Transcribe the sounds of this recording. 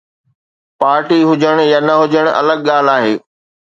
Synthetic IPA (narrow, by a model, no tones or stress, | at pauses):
paːɾʈiɦʊd͡ʑəɽ̃jaːnɐɦʊd͡ʑəɽ̃ɐ̰ləɠ̚ɠaːl̤aːɦeː